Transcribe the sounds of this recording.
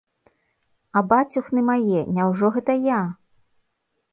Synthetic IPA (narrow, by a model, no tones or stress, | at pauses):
ɐbat͡sʲuxnɨmajɛnʲawʐɔɣɛt̪ɐja